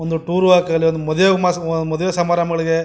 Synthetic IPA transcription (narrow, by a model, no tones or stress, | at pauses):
ond̪uʈuːɾuaːkɐɐliond̪umɔd̪ɐjemasnd̪umɔd̪ɐʋeːsɐmaːɾamɐɡɐɭiɡe